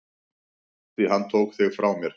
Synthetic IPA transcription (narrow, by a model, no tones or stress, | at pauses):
viɦanːt̪ʰoːwkθɪɣfɾʔaːwmjɛɾ̥